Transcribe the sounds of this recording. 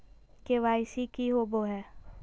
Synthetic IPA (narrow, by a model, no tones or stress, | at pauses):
keʋaːɪsikiɦoboɦɛː